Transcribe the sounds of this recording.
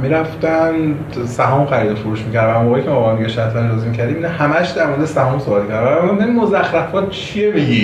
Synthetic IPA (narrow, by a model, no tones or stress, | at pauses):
miɾæft̪æn | sæɦɒːmxæɾiːd̪ofoɾuːʃmicæɾd̪æmoːɣeicʰemɒːɣæːniɡeʃæɾt̪ʰlænd͡ʒɒːzimicʰæɾd̪iminɛhæmæʃd̪æɾmoɾd̪esæɦɒːmsobɒt̪ikʰæɾd̪bææmnemimozæxɾæfɒt̪t͡ʃʰiebiɡi